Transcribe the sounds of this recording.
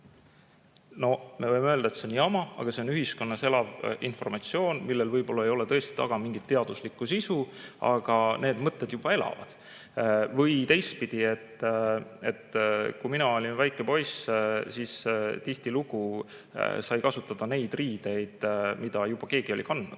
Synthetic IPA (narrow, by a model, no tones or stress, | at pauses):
no̞me̞vɤjmeøld̪ɑet̪senːiɑmɑɑ̰ɡ̥ɑseo̞nyɦisko̞nːɑse̞lɑvinfo̞rmɑt̪sio̞ːnmilːelvɤjbo̞lːɑejo̞le̞t̪ɤ̞est̪i̥t̪ɑ̰ɡ̥ɑmiŋɡ̥it̪ːeɑd̪̥uslikːˑusisuɑ̰ɡ̥ɑne̞ːd̪mɤt̪ˑːe̞d̪̥jub̥ɑe̞lɑ̰vɑ̰d̪̥ | vɤjt̪e̞jst̪̚pid̪̥ie̞t̪ː | e̞̰t̪ːkujminɑo̞lʲinvæjkːˑe̞po̞jssiːst̪iht̪iluɡ̥u | sɑjkɑsut̪ːˑɑd̪̥ɑne̞jd̪̥riːd̪̥e̞jd̪̥mid̪̥ɑjub̥ɑke̞ːɡ̥io̞lʲikɑnd̪nud̪̥